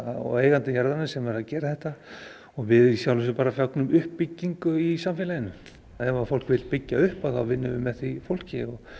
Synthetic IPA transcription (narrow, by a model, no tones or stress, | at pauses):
aɔ̰eːjɣant̪ɪjaɾðanɪsɛmvɛɾaðcɛːɾaθɛht̪a | ɔɣvɪðsjawlvɛsʏpaːɾafjaknʏmʏhpːicːiŋkʏisamfɪːlajɪnːʏm | ɛnvafowl̥kvɪlpɪcːaʏhpaðθawvɪnːʏvɪmɛθifowl̥cɪɔɣ